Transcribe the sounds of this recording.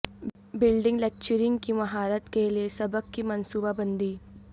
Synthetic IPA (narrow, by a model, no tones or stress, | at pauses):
bɪlɖɪ̃ŋɡlɛːk̚t͡ʃəɾɪ̃ŋɡkimɐɦaːɾət̪keliesɐbəkkimɐnsuːbabɐ̃nd̪iː